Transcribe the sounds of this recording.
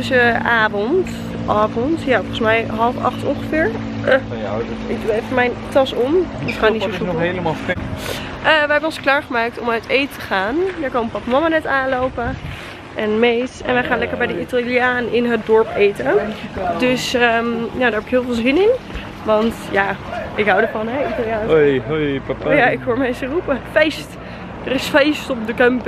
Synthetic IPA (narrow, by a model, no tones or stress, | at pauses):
səʔaːvɔnt | ʔaːvɔntjafɔəsmɛjɦɑlˠfɑ̰χtɔ̰nχəfɪːɹ | fəmɛjntɑsɔməsχaːnitosuɦeləmaf | ʔəʋəɦɛbənɔnsklaːɹχəmaːk̚tɔmœɥtejttəχaːndaɹkɑnpɑpamɑmanɛtaːnlowpə | ʔɛnmejtɛ̰nʋɛjχaːnlɛkəɹbɛjdəʔitaliaːnɪnɦətdɔɹpejtəndɵsəjawdaɹɦɛpɪkɦɪːlˠvɪːlˠzɪnɪn | ʋɑntjaːɪkɦawdəɹfɑnɦɛitalˠjaːnjpjaɪkɦoːɹmɛsərupəfejst | dərɪsfejstɔp̚dəkœmp